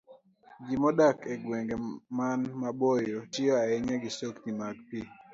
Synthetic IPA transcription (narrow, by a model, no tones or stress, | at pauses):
d͡ʒimɔdakʰeɡweŋɡemanmabojot͡ʃɪɔaɛɲɛɡɪsoktimaɡpi